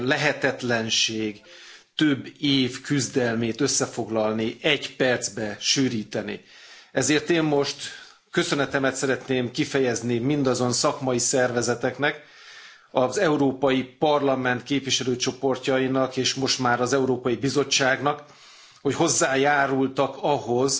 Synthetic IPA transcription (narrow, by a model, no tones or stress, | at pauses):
lɛɦɛt̪ɛt̪lɛnʃeːɡt̪øbːeːvkyzd̪ɛlmeːt̪ø̞sːɛfo̞ɡlɒlniɛɟpɛrd̪zbɛʃyːɾiːt̪ɛnḭɛzeːrt̪eːmːo̞ʃt̪ | kø̞sø̞nɛt̪ɛmɛt̪sɛɾɛt̪neːmkifɛjɛznimind̪ɒzo̞nsɒkmɒjisɛrvɛzɛt̪ɛknɛk | ɒzɛuɾoːpɒjipɒrlɒmɛnt̪keːpviʃɛløːt͡ʃo̞po̞rcɒjinɒkeːʃmo̞ʃt̪maːɾɒzɛuɾoːpɒjibizo̞t͡ʃːaːɡnɒk | ho̞cho̞zːaːjaːɾult̪ɒkɒɦo̞z